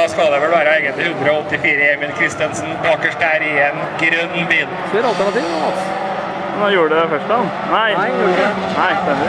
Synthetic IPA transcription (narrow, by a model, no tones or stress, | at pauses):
d̪ɑːskɑld̪ɛʋɛlʋæːɾəɛɪɡənt̪lɪhʉnd̪ɾəɔɔt̪ːɪfiːɾəjɛmɪnkʰɾɪst̪ənsn̩bɑːkəʂʈæːɾɪɛnɡɾœnːbiːnseɾɑlt̪æɳɑt̪iːʋɑt̪s | noːjuːɾəɖədɛfœʂt̪ɑn | næɪɛ | næɪst̪ɛmː